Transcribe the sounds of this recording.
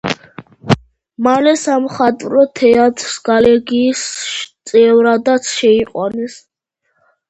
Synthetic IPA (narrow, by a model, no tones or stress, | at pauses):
malɛsamɔχat̪ʼɾɔt̪ʰɛat̪ʼɾsɡalɛɡiːst̪sʼɛvɾad̪at̪sʰʃɛiqʼwanɛs